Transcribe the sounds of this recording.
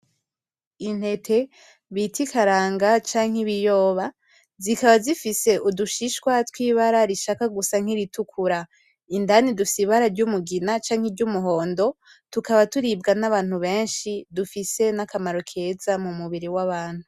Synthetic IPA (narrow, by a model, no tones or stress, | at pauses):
in̥he̞tʰe̞ | βitikaɾaːŋɡat͡ʃaːŋhiβijo̞ːβa | zikaβazifise̞ʔuduʃiʃkwatwiːβaɾaɾiʃakaɡusaŋ̥hiɾitukʰuɾa | indanidufi̥siβaɾaɾɟumuɡinat͡ʃaːŋheɾɟumuɦo̞ːndo̞ | tukaβatuɾib̚ɡanaβaːn̥huβe̞ːnʃidufise̞nakamaɾo̞kʰe̞ːzamumuβiɾiwaβaːn̥hu